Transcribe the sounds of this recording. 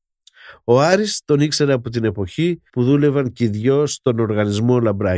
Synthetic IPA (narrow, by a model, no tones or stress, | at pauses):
o̞ɐɾist̪o̞nikse̞ɾeɐpo̞t̪̬ine̞po̞çipuðule̞vɐnciðʝost̪o̞no̞ɾɣɐnizmo̞lɐmbɾɐ